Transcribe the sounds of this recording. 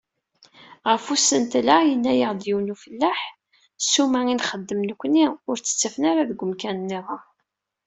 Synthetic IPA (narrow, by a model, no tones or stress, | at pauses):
ʁəfusənt̪læjənːæjəʁd̪juwnufəlːæħ | sumæinχəd̪ːəmnəkʷːniʊɾt͡sːə̥t͡sːæfənaɾaðɡʷʊmkænənːiðˤɑ